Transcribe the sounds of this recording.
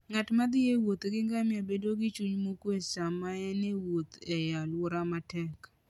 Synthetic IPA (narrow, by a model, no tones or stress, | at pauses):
ŋatmad̪ɪjewot̪ɡɪŋɡamɪabedoɡɪt͡ʃuɲmokwesamaɛnewot̪ɛjalwʊɾamatɛk